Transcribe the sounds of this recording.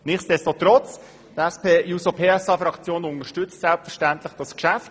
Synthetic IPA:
nɪχsd̥ɛstot̪ɾɔt͡s | tɛspeːjusopʰeːɛsɑːfɾɑkt͡sjoːnʊnəʃtʏt͡stsɛlpfəʃtænt̪lɪχd̥ɑskʃæft

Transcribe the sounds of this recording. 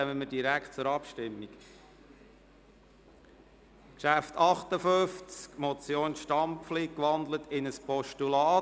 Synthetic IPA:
ɛməmədiɾækt̚t͡sʊɾɑpʃtɪmːik | kʃæft̪ʰɑχt̪əføft͡skmɔt͡sjoːnʃtɑmpflikʋɑnd̪lət̪ɪnəspɔʃtulɑː

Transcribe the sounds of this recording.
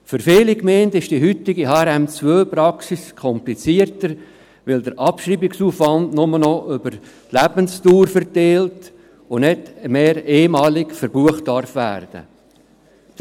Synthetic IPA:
fʏɾfeːlikmeːntɪʃd̥iɦʏt̪ɪɡiɦɑːɾɛmt͡svøːpɾɑksiskʰɔmplit͡siərtəɾ | ʋɪldəɾʔɑpʃɾiːbɪksuːfʋɑndnʊmənɔʔʏbəɾ | tlæb̥ənstuːɾfəɾteːlt | ʊnɛtmeːɾeːmɑːlɪkfəɾbuəχtdɑɾfʋæ̰ːrd̥ə̰

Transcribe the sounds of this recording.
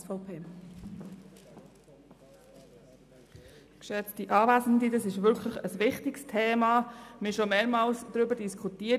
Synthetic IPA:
fɔpʰeː | kʃɛt͡stiʔɑːvæsn̩didɑsɪʃʋʏlkʰləχəsʋɪχtɪkstʰeːmɑmɪʃomɛːmɑːlsd̥ɾybəd̥iskʰutiːə

